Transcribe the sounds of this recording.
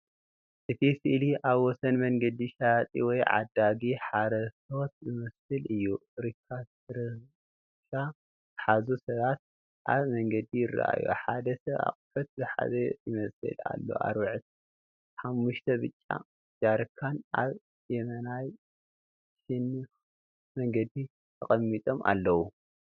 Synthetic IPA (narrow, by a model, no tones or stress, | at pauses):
ʔɨt̪ʰisɨʔliʔaβwɔsɐnmɐŋɡɐd̪iʃat̪ʼḭwɔjʕa̰d̪aɡiħaɾɐso̞t̪zɨmɐsɨlʔɨjːuɾɨkʰːa | ɨɾɨ | ʃa | zɨħazusɐβat̪̚ | ʔaβmɐŋɡɐd̪ijɪrːa̰ʔa̰jṵħad̪ɐsɐβa̰kʼfɐt̪̚zɨħa̰zɐjɪmɐsɨ̰la̰lːo̞̰ʔa̰ɾβɨʕt̪ | ħamːuʃt̪ʰɐβɨt͡ʃʼːa̰ | d͡ʒaɾkʰːanʔaβ | jɛmɐnaj | ʃɨn | mɐŋɡɐd̪i | t̪ʰɐχʼɐmːit̪ʼo̞mʔa̰lːɐwu